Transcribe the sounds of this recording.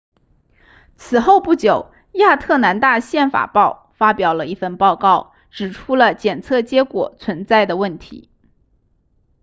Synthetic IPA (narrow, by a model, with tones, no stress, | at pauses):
t͡sʰɹ̩˨˩xo˥˧ʊpu˥˩t͡ɕjo˨˩˦ʊ | ja˥˧t̪ʰɤ˥˩na˧˥nt̪a˥˧ɕjɛ˥˩nfa̰˨˩pɑ˥˩ʊ | fa˥pjɑ˨˩ʊlə˦i˥˩fə˥˧npɑ˥˧ʊkɑ˥˩ʊ | ʈ͡ʂɻ̩˨˩ʈ͡ʂʰu˥lə˨t͡ɕjɛ˨˩nt͡sʰɤ˥˩t͡ɕjɛ˧˥kwɔ̰˨˩t͡sʰwə˧˥nt͡sa˥˩ɪd̪ə˩wə˥˩nt̪ʰḭ˧˥